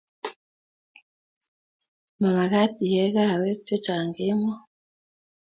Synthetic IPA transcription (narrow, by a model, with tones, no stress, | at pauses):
ma˨ma˨ɣa˦ti˨jɛ˦ɣa˦˨wɛ˦kt͡ʃe˦t͡ʃa˨ŋɡe˦mɔ˦